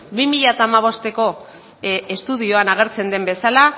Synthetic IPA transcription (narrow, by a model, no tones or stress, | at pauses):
bimiʎat̪aːmaβ̞o̞st̪e̞ko̞ | est̪uð̞ioanaɣ̞e̞ɾt͡se̞nd̪e̞mbe̞sala